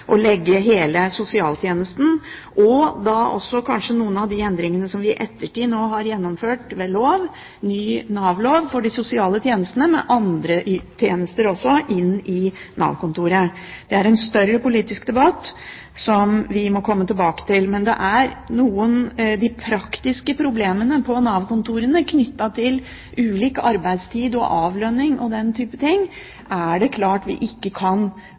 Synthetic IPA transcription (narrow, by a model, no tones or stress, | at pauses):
ʔɔlɛɡːəɦeːləsʊsɪɑːlt̪ʰjeːnəst̪n̩ʔɔd̪ɑʔɔ̰sːɔkʰɑnʂənuːənɑʋd̪ɪɛnd̪ɾɪŋənəsɔmʋɪʔɛt̪ʰːəʈiːnoːɦɑɾjɛnːɔmføːʈʋeloːʋ | nyːnɑːʋloːʋfɔɖɪsʊsɪɑːlət̪ʰjeːnəst̪ənəmɛ̰ʔɑnd̪ɾəʔt̪ʰjeːnəst̪əɾɔsːɔʔɪnɪnɑ̰ːʋkʊnt̪uːɾə | d̪̥ɛæɾɛnst̪œɾəpʊliːt̪ɪskd̪ɛbɑt̪ː | sɔmʋɪmɔkʰɔmːət̪ʰɪlbɑːkə̥t̪ɪlmɛnd̪ɛ̰ʔæɾnuːənd̪ɪpʰɾɑkt̪ɪskəpʰɾʊbleːmənəpʰɔnɑːʋkʊnt̪uːɾənəkʰnʏt̪ːɑt̪ʰɪl | ʔʉːliːkəɑɾbæɪd̪st̪ʰiːd̪ɔ̰ʔɑːʋlœnːɪŋʔɔd̪ɛnt̪ʰyːpət̪ʰɪŋː | ʔæɖɛkʰlɑːʈʋɪ̰ʔɪkːəkʰɑn